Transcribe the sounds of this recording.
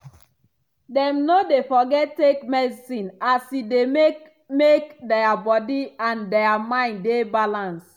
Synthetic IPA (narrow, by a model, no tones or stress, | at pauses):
dɛ̃mnodefɔɡɛttːekmɛdsĩnasideme | mekdɛabɔdiãndɛamãɪ̃ndebalãns